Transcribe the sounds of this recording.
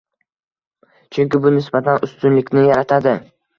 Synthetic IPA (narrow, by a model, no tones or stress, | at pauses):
t͡ʃʰʊŋʲkʲɪbʊnɪsbat̪ʰanʔʊst̪ʊnlɪkʲnɪjaɾat̪ʰad̪ɪ